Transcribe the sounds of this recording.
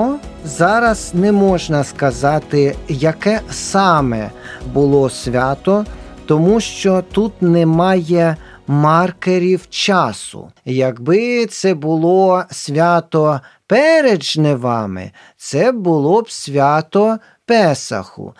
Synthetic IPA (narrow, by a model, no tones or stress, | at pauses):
zɑɾɐz̥nɛmɔʒnɐskɐzɑt̪ɪjɐkɛsɑmɛ̰bʊlˠɔsʲʋʲɑt̪ɔt̪ɔmuʃt͡ʃɔt̪ut̪nɛmɑjɛ | mɑrkeɾʲiwt͡ʃɑsʊ̰jɐɡbɪt̪sɛbʊlˠɔsʲʋʲat̪ɔ | pɛɾed͡ʒnɛʋɑmɪ̰ | t̪sɛbʊlˠɔbsʲʋʲat̪ɔ | pɛsɐ̰xʊ̰